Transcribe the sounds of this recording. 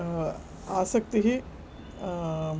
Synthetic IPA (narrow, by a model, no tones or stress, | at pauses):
aːsɐk̚t̪iɦi